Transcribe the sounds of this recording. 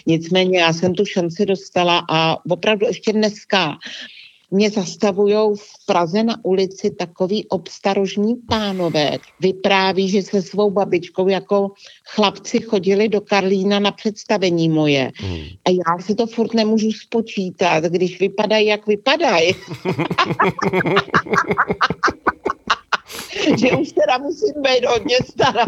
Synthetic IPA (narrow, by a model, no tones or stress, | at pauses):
ɲɪt͡smɛːɲɛjaːsɛmt̪uʃant͡sɪdo̞st̪alaʔavo̞pɾavduɛʃcɛdnɛska | mɲɛzast̪avujo̞wfpɾazɛnaʔulɪt͡sɪt̪ako̞viːʔo̞pst̪aɾoʒɲiːpaːno̞vɛ̰ːvɪpɾaːviːʒɛsɛsvo̞wbabɪt͡ʃko̞wjako̞xlapt͡sɪxo̞ɟɪlɪdo̞kaɾliːnanapr̝̥ɛt̪st̪avɛɲiːmo̞jɛ̰ʔajaːsɪt̪o̞fuɾt̪nɛmuːʒuspo̞t͡ʃiːt̪at̪ɡdɪʃvɪpadajjakvɪpadaj | ʒɛʔuʃt̪ɛdamusiːmbɛjt̪ɦod̪̚ɲɛst̪aɾa